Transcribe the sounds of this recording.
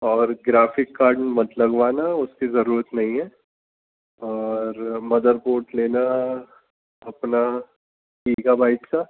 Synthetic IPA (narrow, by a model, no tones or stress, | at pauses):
ɔːɾɡɾaːfɪkːaːɾɖnmɐt̪ləɡʋaːnaʊskizɐɾuːɾət̪nɐɦĩɦɛː | ɔːɾmɐd̪əɾpoːʈleːna | ɐpna | kiːɡabaːɪʈka